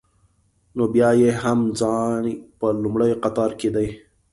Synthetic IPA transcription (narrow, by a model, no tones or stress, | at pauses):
nobjɑjeɦamd͡zɑnpəlumɽajqat̪ɑɾked̪aj